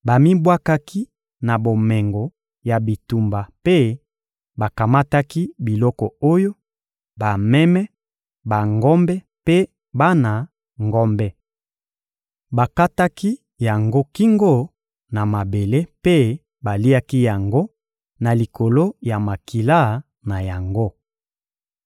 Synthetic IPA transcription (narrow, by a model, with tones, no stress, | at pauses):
ba˨mi˦bwa˦ka˦ki˦ | na˨bo˨mɛ˨ŋɡɔ˨ | ja˨bi˨tu˨mba˨pe˦ | ba˨ka˨ma˦ta˦ki˦bi˨lɔ˦kɔ˨o˦jo˦ | ba˨mɛ˦mɛ˦ | ba˨ŋɡɔ˦mbɛ˦ | pe˦ | ba˦na˨ | ŋɡɔ˦mbɛ˦ | ba˨ka˦ta˦ki˦ | ja˨ŋɡo˦ki˦ŋɡo˦˨ | na˨ma˨be˨le˦pe˦ | ba˨li˦a˦ki˦ja˨ŋɡo˦ | na˨li˨ko˨lo˦ja˨ma˨ki˨la˦ | na˨ja˨ŋɡo˦